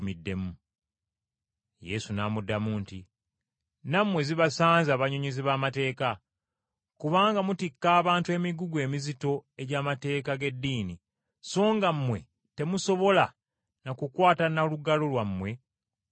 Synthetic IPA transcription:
midːe̞mu | je̞̰sunaːmudːamuːnti | namːwe̞ziβasaːnzaːβaɲoɲiziβaːmate̞ːka | kuβaːŋɡamutikːaːβaːntwe̞miɡuɡwe̞ːmizito̞e̞ɟaːmate̞ːkaɡe̞dːiːni | so̞ːŋɡamːwe̞ | te̞muso̞βo̞la | nakukwaːtanaluɡalolwamːwe̞

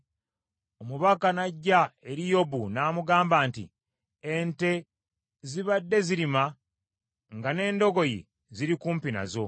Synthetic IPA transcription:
o̞muβakanaɟːae̞ɾijo̞bunaːmuɡaːmbaːntḭ | ente̞ | ziβadːe̞ziɾima | ŋɡane̞ːndo̞ɡo̞jḛ | ziɾikuːmpina̰zo̞

